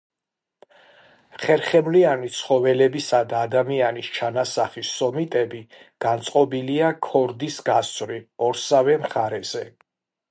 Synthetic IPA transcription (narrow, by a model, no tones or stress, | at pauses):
χɛɾχɛmlianit̪sʰχɔvɛlɛbisad̪aːd̪amianist͡ʃʰanasaχisːɔmit̪ʼɛbi | ɡ̥ant̪sʼqʼɔbiliakʰɔɾd̪isɡast̪sʰʼvɾiɔɾsavɛmχaɾɛz̥ɛ